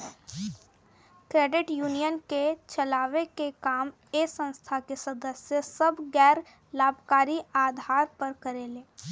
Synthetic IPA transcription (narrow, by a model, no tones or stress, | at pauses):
kɾeːɖɪʈjuːnijənket͡ʃəlaːʋekekaːm | esə̃nst̪ʰakesəd̪əsjəsəbɡɛːɾ | laːbʱkaːɾiaːd̪ʱaːɾpəɾkəɾeːleː